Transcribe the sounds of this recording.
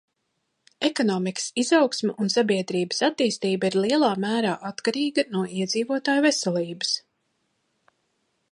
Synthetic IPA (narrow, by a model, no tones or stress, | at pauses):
ekɔnɔːmikə̥sizɑwksmʲɛʔunsabiɛd̪ɾiːbəsat̪ːiːst̪iːbaiɾliɛlˠaːmæːɾaːʔat̪kaɾiːɡɐnuɔiɛd̪ziːvuɔt̪aːjvɛsɛlˠiːbəs